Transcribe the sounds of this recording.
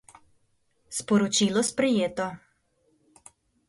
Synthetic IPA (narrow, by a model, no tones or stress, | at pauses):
spɔɾɔt͡ʃilɔspɾɛjeːt̪ɔ